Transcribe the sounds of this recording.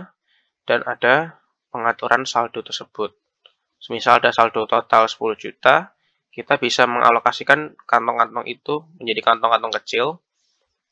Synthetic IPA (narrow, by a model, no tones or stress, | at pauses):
d̥anad̥a | pəŋat̪uɾʔansald̥ot̪ərsəb̥ʊt̪̚ | səmisaldasaldot̪ot̪alsə̥pulʊhd͡ʒut̪a | kit̪abisaməŋʔa̰lokasikankant̪ɔŋkant̪ɔŋʔḭt̪uməɲd͡ʒadikant̪ɔŋkant̪ɔŋkət͡ʃɪl